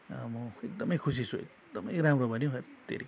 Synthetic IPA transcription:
mʌekd̪ʌmʌjkʰusit͡sʰuḛk̚ | d̪ʌmʌ̰jɾamrobʱʌnjõt̪ḛɾi

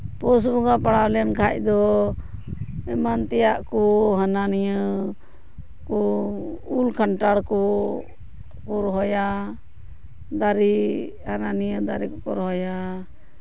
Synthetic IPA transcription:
pɔs̬bɔŋɡapaɽawlɛnkʰac̚d̪ɔ | ɛmant̪ɛjaʔkɔɦananijə | kɔ | ulkʰaɳʈaɽkɔ | kɔɾɦɔja | d̪aɾi | hananijəd̪aɾikɔkɔɾɦɔja

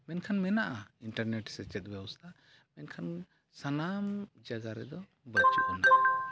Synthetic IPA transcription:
mɛnkʰanmɛnaʔainʈəɾnɛʈsɛt͡ʃɛt̪̚ˀbɛbɔst̪ʰa | mɛnkʰan | sanamd͡ʒaɡaɾɛd̪ɔ | bət͡ʃuʔuna

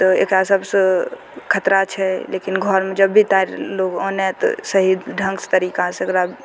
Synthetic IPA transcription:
t̪ɔḛkɾasəbsə | kʰət̪ɾat͡ʃʰɛleːkinɡʱɔɾmed͡ʒəbːit̪aɾloːɡonɛt̪ɔ̰səɦid̪ɖʱə̃ŋɡst̪əɾiːkaseekɾa

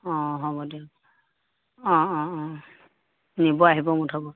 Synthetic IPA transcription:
ɔ̃ɦɔbɔdio | ɔ̃ɔ̃ɔ̃ | nibɔaɦibɔmutʰɔbɔ

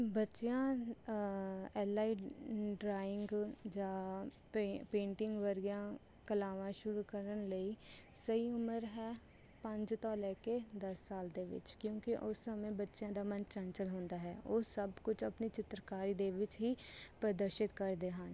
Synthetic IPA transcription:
bətːʃjãː | ɛːlaːiːɖɾaːɪŋɡd͡ʒãː | pẽːɳʈɪ̃ŋɡʋəɾɡjãː | kəlaːʋãːʃʊɾuːkəɾənləiːsəiːʊməɾɦɛː | pəɲd͡ʒt̪ɔːlɛːked̪əsːaːld̪eːʋɪ̰t͡ʃkjõːkɪʔʊsːəmẽːbətːʃjãːd̪aːmənt͡ʃənt͡ʃəlɦõːnd̪aːɦɛːoːsəbkʊt͡ʃʰəpniːt͡ʃɪt̪ɾəkaːɾiːd̪eːʋɪt͡ʃɦiːpɾəd̪əɾʃɪt̪kəɾd̪eːɦən

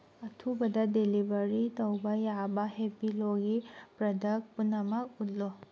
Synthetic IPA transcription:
ɐtʰubɐdɐdelibɐɾitɐwbɐjabɐhepiloɡipɾɐdɐk̚punːɐmɐk̚ut̚lo

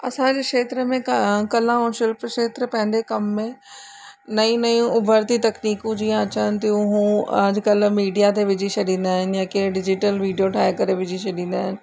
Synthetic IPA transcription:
ɐsãd͡ʑeːkʃeːt̪ɾəmẽkɐl̤ãɦõʃɪlpʃeːt̪ɾpɐ̃ɦɪ̃n̆d̪ekɐmːẽ | nɐĩnɐjũʊbʱəɾt̪it̪ɐkniːkũd͡ʑiːãɐt͡ɕənɪ̆t̪ijũɦũːɐd͡ʑɪkɐlmiːɖijat̪ʰeʋɪd͡ʑʱiʃʰɐɗĩːn̆d̪aːɦɪnɪjãkeːɖɪd͡ʑɪʈəlʋiːɖijoʈʰaːɦekɐɾeʋɪd͡ʑʱiʃʰɐɗĩːn̆d̪aːɦɪnɪ̆

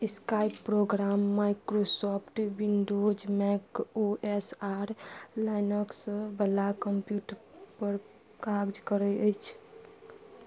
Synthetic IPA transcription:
skajpːɾoɡɾamːajkɾosɔpʰʈʋinɖod͡ʒmɛkoʔesaɾlajnəksbəlakəmpjuʈəɾpəɾ | kaɡd͡ʒkəɾəəjt͡ʃʰ

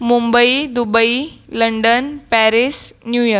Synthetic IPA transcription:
mumbəid̪ubəiləɳɖənpæɾisnjujəɾ

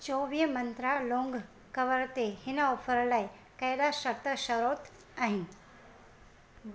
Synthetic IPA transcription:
t͡ʃoʋijəmənt̪ɾaloŋɡ | kəʋəɾt̪ehɪnaofʰəɾlaj | kəjd̪aʃəkt̪əʃəɾot̪ | aɦĩn

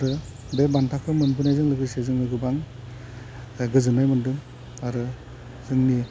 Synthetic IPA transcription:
aɾɯ | bebantʰakʰɯmɯnpʰɯnajzɯŋlɯɡɯsezɯŋlɯɡɯbaŋ | ɡɯzɯnajmɯndɯm | aɾɯ | zɯŋni

